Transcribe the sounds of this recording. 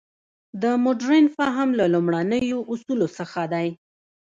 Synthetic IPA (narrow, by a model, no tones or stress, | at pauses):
d̪əmʊɖɾenfɑɦamlalumɽanəjoʔusulosəxad̪aj